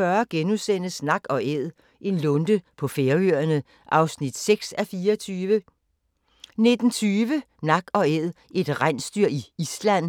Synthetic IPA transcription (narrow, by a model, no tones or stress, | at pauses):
ɶɐɡ̥enusen̰əsnɑ̈ɡ̥ɒ̽ʔeð̰ˠ | ʔe̝nlɔnd̥əpʰɒ̽feːɐyɐɐnə | ʔɑ̈ʊsnid̥seɡ̥sæfiːɐʋə | ne̝d̥n̩t͡sʰyːʋə | nɑ̈ɡ̥ɒ̽eð̰ˠ | ʔe̝d̥ʁansd̥yɐ̰iislæn̰